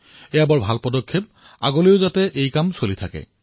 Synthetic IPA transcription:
ɛjabɔɹbʱalpɔdɔkʰːep̚ | a̰ɡoleʊzatɛʔejkamsolitʰakɛ̰

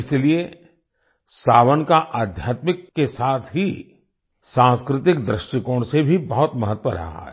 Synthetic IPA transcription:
ɪslie | saːʋənkaʔaːd̪ʱjaːt̪mɪkːesaːt̪ʰɦi | sãːskɾɪt̪ɪkd̪ɾɪʃʈɪkõːɽ̃sebʱibɐɦʊt̪mɐɦət̪ːʋəɾɐ̰ɦa̰ɦɛ̰ː

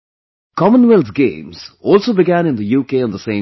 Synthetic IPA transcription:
kʰɔmə̃nwɪlzɡḛ̃ːmz̥ɔːlˠsoːbɪɡæ̃nɪ̃nd̪əjuːkeːə̃nðəsẽɪ̃

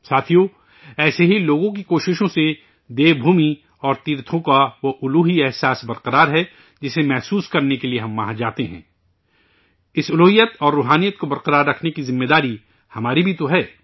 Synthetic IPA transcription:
saːt̪ʰijo | ɛːseɦiloːɡõk̬ikoːʃɪʃõse | d̪eːbʱuːmi | ɔːɾt̪iːɾt̪ʰõkaʋoʔʊluːɦiɛɦsaːsbɐɾqəɾaːɾɦɛ | d͡ʒɪsemɛɦsuːskɐɾnekelieɦɐmːaːɦad͡ʒaːt̪eɦɛ̰̃ː | ɪsʊluːɦijət̪ɔːɾːuːɦaːnijət̪̚kobɐɾqəɾaːɾːɐkʰnekizɪmːeːd̪aːɾi | hɐmaːɾibʱit̪oɦɛː

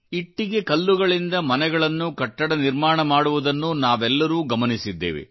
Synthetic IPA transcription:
iʈːiɡe̞kɐlːuɡɐɭind̪ɐmɐnɛɡɐɭɐnːukɐʈːɐɽɐniɾmaːɳɐmaːɽuʋud̪ɐnːunaːʋɛlːɐɾuːɡɐmɐnisid̪ːḛːʋḛ

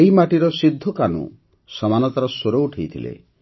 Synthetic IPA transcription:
eimaʈiɾɔsid̪ʱːɔkanṵ | sɔmanɔt̪aɾɔsoɾouʈʰejt̪ʰilḛ

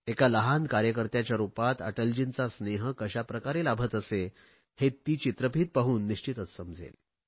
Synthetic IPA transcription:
ekaləɦand̪kaɾjəkəɾt̪jat͡ɕjaɾupat̪ə̰ʈəld͡ʑint͡sasneɦəkəɕapɾəkaɾelabʱət̪əse | het̪ːiːt͡ɕit̪ɾəpiːt̪̚paɦuːnːiɕt͡ɕit̪ət͡s̪səmd͡zʱḛl

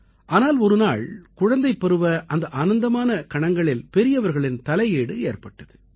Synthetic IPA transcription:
ʔaːnaːlɔɾɯnaːɭkʊɻɐnd̪ɐɪpːɛɾɯʋɐʔɐnd̪ɐʔaːnɐnd̪ɐmaːnɐkɐɳɐŋɡɐɭɪlpɛɾɪjɐʋɐɾɣɐɭɪnt̪ɐlɐjeːɽɯeːrpɐʈːɐðɯ

